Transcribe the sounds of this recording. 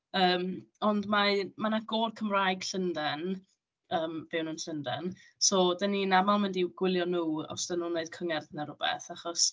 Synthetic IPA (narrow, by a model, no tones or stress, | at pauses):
əːmɔndmamanaɡ̥oːrkʰəmrajɡ̥ɬəndɛn | əːmv̥ɛwnənɬəndɛ̰n | soːdəninamalˠmɪndiɡ̥wɪlˠjɔnuːɔ̰sd̥ənuːnːeɨd̥̚kʰəŋɛrðnaɾʊbɛ̰θaχɔs